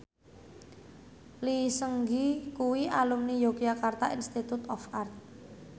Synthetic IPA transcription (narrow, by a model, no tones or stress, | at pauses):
lisəŋɡikuwialumnijokiakart̪aʔinst̪it̪ut̪ɔfart̪̚